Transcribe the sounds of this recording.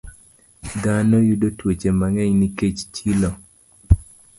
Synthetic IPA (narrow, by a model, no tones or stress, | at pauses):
d̪anɔjudotwet͡ʃemaŋɛɲniket͡ʃt͡ʃilo